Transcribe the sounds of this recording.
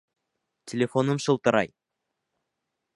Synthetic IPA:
tʲʰelʲefonəmʃəlˠt̪əɾɑ̰j

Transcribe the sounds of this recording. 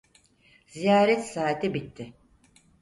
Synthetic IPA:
z̥ijaːɾɛt̪saːt̪ʰɛbit̪ʰːɪ

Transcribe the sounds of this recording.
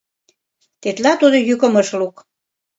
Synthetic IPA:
t̪et̪lɑt̪ud̪ojykə̆mə̆ʃluk

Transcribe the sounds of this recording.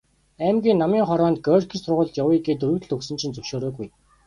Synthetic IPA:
æmɡʲiːnːamiːŋχɔɾɔːnt̪ɡœːrkʰisʊrʁʊːɮt̪jawiːɡeːt̪ɵɾɵ̆t̪ɘ̆ɮɵksɘ̆nt͡ɕʰĭnt͡sɵwʃoːɾoːɡuj

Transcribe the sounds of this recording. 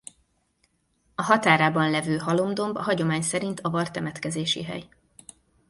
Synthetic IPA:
ɒɦɒt̪aːɾaːbɒnlɛvøːɦɒlo̞md̪o̞mbɒɦɒɟo̞maːɲsɛɾint̪ɒvɒrt̪ɛmɛt̪kɛzeːʃḭɦɛ̰j

